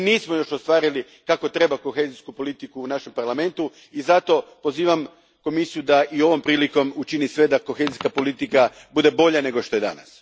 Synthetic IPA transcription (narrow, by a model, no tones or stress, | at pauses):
niːsmo̞jo̞ʃost̪ʋaːɾili | kako̞t̪ɾe̞bako̞xe̞ːziskupo̞lit̪ikuːnaʃe̞mpaɾlˠame̞nt̪u | izat̪o̞po̞ziːʋam | ko̞misijud̪aʔio̞ʋo̞mpɾiːliko̞mut͡ʃinisʋe̞d̪ako̞xe̞ːziskapo̞lit̪ika | bud̪e̞bo̞ʎane̞ɡo̞ʃt̪o̞e̞d̪a̰na̰s